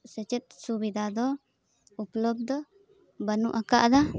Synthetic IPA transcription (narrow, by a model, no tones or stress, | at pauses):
sɛt͡ʃɛt̪̚subid̪ʱad̪ɔ | uplɔb̚d̪ɔ | bənuʔakaʔd̪a